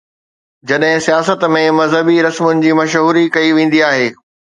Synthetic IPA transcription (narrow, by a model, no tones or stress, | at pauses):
d͡ʑɐɗɦɪ̃sijaːsət̪mẽmɐzɦəbiɾɐsmʊnɪ̆d͡ʑiːmɐʃɦuːɾikɐiʋẽːn̆d̪iaːɦeː